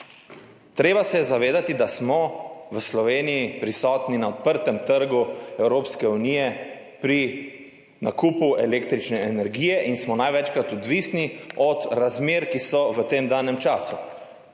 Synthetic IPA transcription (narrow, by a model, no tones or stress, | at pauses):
t̪ɾeːbasɛjɛzaʋeːd̪at̪id̪asmɔʋəslɔʋeːnijipɾisɔːt̪ninaɔt̪̚pəɾt̪ɛmt̪əɾɡuɛwɾoːpskɛuniːjɛ | pɾi | nakuːpuɛleːk̚t̪ɾit͡ʃnɛɛnɛɾɡiːjɛʔinsmɔnajʋɛt͡ʃkɾat̪ɔd̪ʋisniɔt̪ɾazmeːɾkisɔʋət̪eːmd̪aːnɛmt͡ʃaːsu